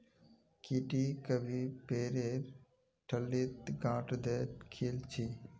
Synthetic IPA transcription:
kiʈikəbʱipeːɾeɾ | ʈʰəlːiːt̪ɡãːʈd̪eːʈkʰiːlt͡ʃʰi

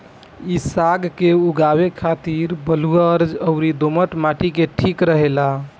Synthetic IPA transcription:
isaɡkeuɡaβekʰat̪iɾbəluəɾd͡ʒəʊɾid̪oməʈmaʈikeʈʰikɾəɦela

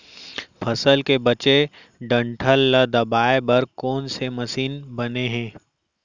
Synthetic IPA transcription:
pʰɐsəlkebɐt͡ʃe | ɖə̃ɳʈʰəlːəd̪ɐbaːebɐɾkɔːnsemɐsiːnbɐneɦɛ̃ː

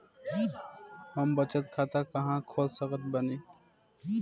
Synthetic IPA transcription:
ɦɐmbət͡ʃət̪̚kʰaːt̪akɐɦãkʰoːlsəkət̪̚bəneː

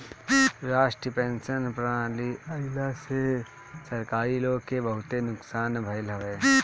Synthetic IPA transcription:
ɾaːʃʈɾiəpẽːnsənpɾãːliɐɪlase | sɐɾkaːɾiloːɡ̚kːebɐɦʊt̪enʊksaːnbʱɐɪlɦɐʋeː

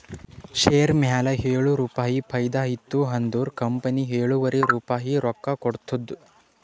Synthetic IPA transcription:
ʃeːɾmjaːlɐɦeːɭuɾuːpaːɦipʰɐjd̪aːɦit̪ːuɦɐnd̪uːɾkɐmpɐniɦeːɭuʋɐɾeɾuːpaːɦiɾɔkːɐkɔɽt̪ud̪ːu

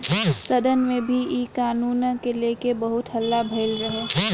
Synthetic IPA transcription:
sɐd̪ənmẽbʱiiːkaːnuːnkeleːkebəɦʊt̪ɦɐlːabʱeɪlɾəɦe

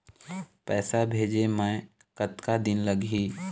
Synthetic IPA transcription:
pɛːsabʱeːd͡ʒemɛ̃ː | kət̪kad̪ɪnləɡɦiː

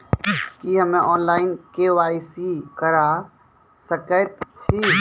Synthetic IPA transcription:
kiɦəmẽʔɔːnlaːɪnkeʋaːisikəɾaː | səkət̪t͡ʃʰi

